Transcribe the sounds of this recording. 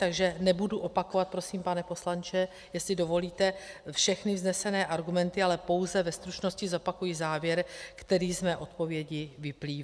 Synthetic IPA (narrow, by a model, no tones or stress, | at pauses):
t̪aɡʒɛnɛbuduʔo̞pako̞vat̪̚pɾosiːmpanɛpo̞slant͡ʃɛ | jɛst̪lɪdo̞vo̞liːt̪ɛfʃɛxnɪvznɛsɛnɛːʔaɾɡumɛnt̪ɪalɛpo̞wzɛvɛst̪ɾut͡ʃno̞scɪzo̞pakujɪzaːvjɛɾkt̪ɛɾiːzmɛːʔo̞t̪̚po̞vjɛɟɪvɪpliːv